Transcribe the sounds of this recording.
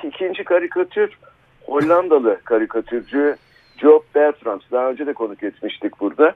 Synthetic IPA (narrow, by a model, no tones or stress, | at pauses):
icʰind͡ʒikʰaɾikʰat̪ʰyɾ̥ | ho̞lʲːand̪alˠɯkʰaɾikʰat̪ʰyɾd͡ʒy | d͡ʒop̚bæɾt̪ɾamsd̪aɦaø̞nd͡ʒɛd̪ɛkʰo̞nukjɛt͡ʃ̪miʃt̪ʰic̚buɾd̪a